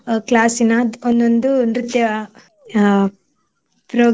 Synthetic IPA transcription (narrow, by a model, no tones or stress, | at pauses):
klaːsinɐd̪ond̪ond̪unɾut̪jɐ | pɾoː